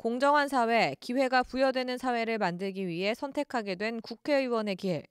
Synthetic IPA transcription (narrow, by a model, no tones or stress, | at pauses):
koŋd͡ʑʌŋɦans̬ʰawe̞kiɸwe̞ɡapujʌdwe̞nɯnsʰawe̞ɾɯɭmandɯɭɡiɥiɦe̞sʰʌntʰe̞kʰaɡe̞dwe̞nkukʰe̞iwʌne̞kiwe̞